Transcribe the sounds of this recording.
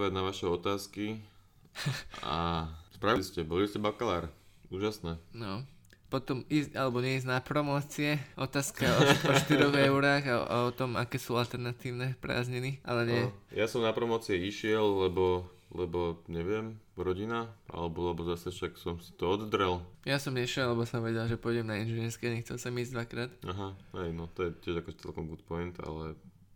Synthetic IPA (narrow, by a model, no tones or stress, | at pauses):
ʋaɟnaʋaʃɛɔt̪aːski | a̰spɾaʋiliscɛbɔliscɛbakalaːɾuːʒasnɛnɔ | pɔt̪ɔmiːscalɛbɔɲɛiznapɾɔmɔːt͡siɛɔt̪aːskaɔʃɔʃt̪iɾɔɣɛʊɾaːɣa̰ɔt̪ɔma̰kɛːsuːalt̪ɛɾnat̪iːʊnɛpɾa̰ːzɲiniʔa̰lɛɲɛjasɔmnapɾɔmɔːt͡siɛiʃɪɛllɛbɔ | lɛbɔɲɛʋɪɛmɾɔɟinaʔa̰lɛbɔlɛbɔzasɛfʃaksɔmsi̥t̪ɔɔd̪d̪ɾɛljasɔmɲɛʃɪɛllɛbɔsɔmʋɛɟɛlʒɛpʊɔjɟɛmnainʒɛnɪɛɾskɛɲɛxt͡sɛ̰lsɔmiːzɟd̪ʋakɾaːt̪aɦahɛjnɔt̪ɔjɛtɪɛʒakɔʒɛt͡sɛ̰lkɔmɡut̪pɔjnt̪a̰lɛ